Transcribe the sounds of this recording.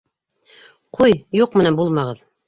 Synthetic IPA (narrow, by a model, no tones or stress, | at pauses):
qʰujjuqmɘ̆nænbulˠmɑʁɤð